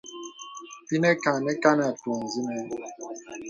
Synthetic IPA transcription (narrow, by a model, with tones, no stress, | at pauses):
ti˦ne˦ka˨nɛ˦ka˦na˨twɔ˨n̩˨zi˦nɛ˦